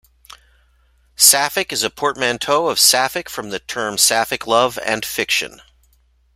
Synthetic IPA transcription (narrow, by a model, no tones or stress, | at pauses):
sæfɨkɨzɨpʰɔɹt̚mæ̃ntʰoʊʌv̥sæfɨkfɹʌ̃mðɨtʰɜ̃˞msæfɨkʰlʌvɨ̰̃nfɪkʃɨ̰̃n